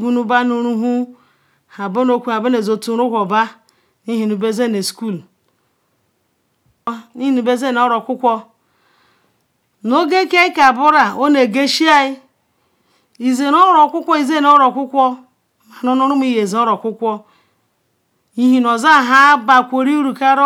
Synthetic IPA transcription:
ɡu˦nu˦ba˦nu˦ɾu˦ɦu˦ | ha˨bo˦no˦kʷu˨a˨bo˦ne˨zo˨tu˦ɾu˦kʷɔ˨ba˦ | ni˦ɦi˨nu˨be˦ze˦ne˨sku˦˨l | ni˦hi˦nu˨be˦ze˦˨n˨ɔ˦ɾɔ˨kʷʊ˦kʷɔ˦ | no˦ɡe˦ke˦ɪ˦ka˨bʊ˦ɾa˨o˦ne˨ɡe˦ʃi˦a˦ɪ˦ | i˨ze˨nɔ˦ɾɔ˨kʷʊ˦kʷɔ˦i˨ze˦no˦ɾɔ˨kʷʊ˦kʷɔ˦ | ma˨nɔ˦nu˦ɾu˦m˦i˦je˨ze˨ɔ˦ɾɔ˨kʷʊ˦kʷɔ˦ | i˦ɦi˦nɔ˨za˦˨ɦa˦ba˨kʷo˨ɾi˦u˦ɾu˨ka˦ɾ

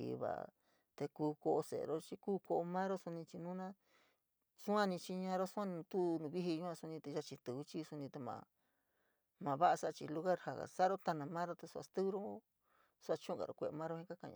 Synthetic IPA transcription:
ḭ˨˧βa̰˨ | t̪e˧kuː˧ko˧ʔo˧sḛ˨˧ɾo˦t͡ʃi˧˦kuː˦ko˧ʔo˧mã˦ɾo˦su˧nĩ˧t͡ʃi˧nũ˦nã˦ | su˦ã˦nĩ˧t͡ʃi˧ɲã˧ɾo˦sũ˦ã˦ñ˧t̪u˦nũ˧βi˦i˧ɲũ˧˦ã˧su˧nĩ˧t̪e˧ʒa˧t͡ʃĩ˧t̪u˨u˧˦t͡ʃi˦su˧nĩ˧t̪e˧mã̰˧ | mã˨βa˦ʔa˧sa˦˧t͡ʃi˧lu˧ɣa˦ɾha˧ɣa̰˨sa˦ɾo˦t̪a˧nã˧mã˦ɾo˦t̪e˧su˧a̰˧t̪ɨ˦ɾo˦ | sa˧t͡ʃũ˦˧ɡa̰˨ɾo˧kʷe˧mã˦ɾo˦hĩ˧˦ka˦kã̰˧˨ɲã̰˧

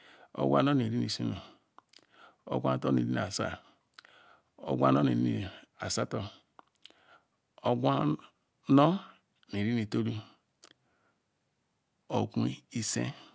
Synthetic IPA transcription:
o̰˦ɡʷa̰˦no˦ni˨ɾi˦ni˨su˦nu˨ | o̰˦ɡʷa˦n˦to˦nḭ˨ɾi˦n˨a˨sa̰˦ | o̰˦ɡʷa̰˦no˦ne˨ɾi˦ni˨a˨sa˦to˨ | o˦ɡʷa˦ | no˦ | ne˨ɾi˦ni˨to˦ɾi˦ | o˨ku˦i˦sḛ˦

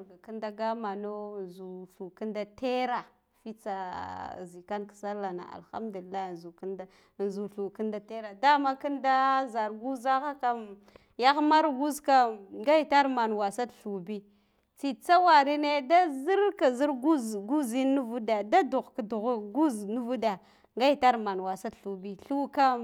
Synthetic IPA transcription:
ɡa˨ki˦nda˦ɡa˦ma˨no˦˨nzu˨ɬu˨ki˦nda˨te˦ɾa˨ | fi˦t͡sa˨zi˨ka˦nkḁ˨sa˦lːa˨na̰˨a̰˨lxa̰˦mdu˨li˨lːa˦˨nzu˨knda˦˨ | n˨zu˨ɬu˨ki˦nda˦te˦ɾa˨da˦ma˦ki˦nda˦za˨ɾɡu˦za˦ɣa˦ka˨m | ja˦xma˦ɾɡu˦zka˨ŋɡa˦jta˦ɾma˨nwa˨sa˦dɬu˨bi˦ | t͡si˨t͡sa˦wa˨ɾi˦ne˦da˦zi˦ɾka˨zi˦ɾɡu˦zɡu˦zi˦n˦u˦vu˦da˨da˦du˨ɣka˨du˨ɣɡu˦znu˦vu˦da˨ | ŋɡa˦i˦ta˦ɾma˨nwa˨sa˦dɬu˨bi˦ɬu˦ka˦

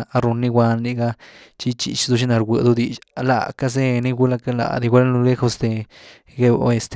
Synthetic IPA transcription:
a˦ɾu˧nːi˦ɡʷa˧nli˧ɡa˦t͡ʃi˦t͡ʃḭ˧t͡ʃd̪u˧ʃi˦na˨˧ɾɡʷe˨d̪u˦d̪i˧t͡ʃla̰˨ka˦z̬e˦ni˦ɡu˧˦la˧ka˦la̰˨d̪i˧ɡʷa˦lnu˧le˦xo˦˧sd̪e˧ | ɡe˦bo̰˧e˧st̪

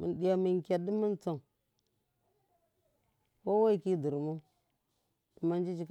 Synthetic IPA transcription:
mḭ˨ndi˦ja˨mi˨ŋkʲa˨di˦mi˦nt͡so˨ŋ | wo˦wa˦i˦˨ki˦di˨ɾmu˦ | də˨ma˦nd͡ʒi˦d͡ʒi˦k

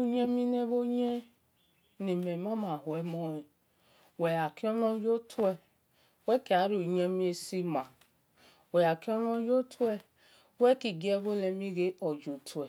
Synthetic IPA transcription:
u˦ɲe˦mi˦ne˦βo˦ɲe˦ | ne˨me˨m˦ɔ˦ma˨hu˨ɛ˨˦mɔ˦e˨ | wɛ˨ja˨ki˦ɔ˦nɔ˦d͡ʒo˦tʰu˦ɛ˨˦ | wɛ˦ki˨a˨˦ɾi˨˦o˨ɲe˦mi˦e˧si˦ma˨ | wɛ˨ja˨ki˦ɔ˦nɔ˦d͡ʒo˦tʰɛ˦ | wɛ˦ki˨ɡi˦ɛ˦βo˦le˨mi˦ɡe˦ɔ˨d͡ʒo˨tʰu˨ɛ˨

